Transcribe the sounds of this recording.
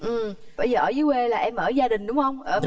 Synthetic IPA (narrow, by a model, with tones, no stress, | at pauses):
ʔɨ˨˩m | ɓə˧jzəː˨˩ʔəː˧˩zɨ˨˦we˧laː˨˩ʔɛ˧mʔəː˧˩zaː˧ɗï˨˩ŋ̟ɗʊ˨˦wŋ͡mhə˧wŋ͡mʔəː˧˦